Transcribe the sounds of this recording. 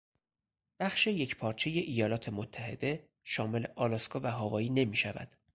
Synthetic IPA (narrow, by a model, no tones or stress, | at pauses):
b̥æxʃejecʰpʰɒːɾt͡ʃʰe̞je̞ʔijɒːlɒːt̪ʰe̞mot̪ʰːæhe̞d̪̥e̞ | ʃɒːme̞leʔɒːlɒskɒːvæɦɒːvɒːiːne̞miːʃævæ̰d̪̥